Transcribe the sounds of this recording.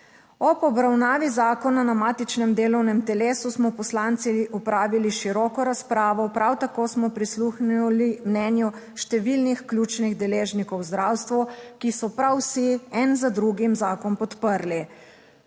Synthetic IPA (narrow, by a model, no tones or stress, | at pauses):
ɔpɔbɾawnaːʋizaːkɔnanamaːt̪it͡ʃnɛmd̪eːlɔwnɛmt̪ɛleːsusmɔpɔslant̪siɔpɾaːʋiliʃiɾɔːkɔɾaspɾaːʋɔpɾawt̪akosmɔpɾisluxnlimnɛnjɔ | ʃt̪ɛʋilnixklʲjuːt͡ʃniɣd̪ɛleːʒnikɔwzd̪ɾaːwst̪ʋukisɔpɾawsiɛnzad̪ɾuɡimzaːkɔnpɔt̪pəɾli